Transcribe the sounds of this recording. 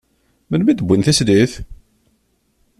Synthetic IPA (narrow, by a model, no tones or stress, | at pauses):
mənmid̪əbʷːinθæsd̪iθ